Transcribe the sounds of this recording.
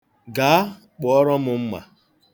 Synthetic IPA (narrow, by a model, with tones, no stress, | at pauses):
ɡa˨a˦ | k͡pɔ˨ɔ˦ɾɔ˦mʊ˨m̩˦ma̰˨